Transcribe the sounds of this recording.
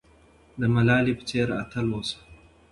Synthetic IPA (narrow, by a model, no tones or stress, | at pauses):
d̪əmɐlaːlipt͡seːɾa̰t̪ʰɐlwosḁ